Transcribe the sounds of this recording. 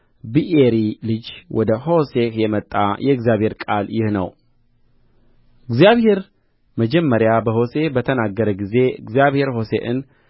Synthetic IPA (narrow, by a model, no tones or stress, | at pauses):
biʔeɾilɨd͡ʒwɔd̪əho̞sekjɛmət̪ʼːa̰jɛɨɡzjaβhe̞ɾkʼaljɪhnə̰w | ɨɡzijaβhe̞ɾ | məd͡ʒɛmːəɾjabəɦo̞se̞bət̪ʰənaɡːəɾəɡize̞ɨɡzjaβhe̞ɾɦo̞sḛʔɨ̰n